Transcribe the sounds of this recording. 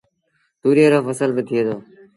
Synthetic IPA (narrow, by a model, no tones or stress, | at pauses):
t̪uːɾiːəɾəfəsəlbɪt̪ʰɪeːd̪oː